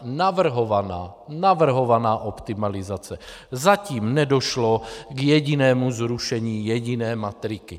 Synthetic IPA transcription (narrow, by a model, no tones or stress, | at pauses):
navr̩ɦovanaːnavr̩ɦovanaːʔopt̪imalizat͡sɛzaciːmnɛdoʃloɡjɛɟinɛːmuzɾuʃɛɲiːjɛɟinɛːmat̪ɾiki